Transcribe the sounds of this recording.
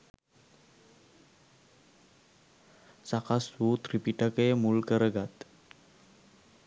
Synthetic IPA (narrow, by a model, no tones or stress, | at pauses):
sakaswut̪ɾipiʈakəjmulkəɾəɡat̪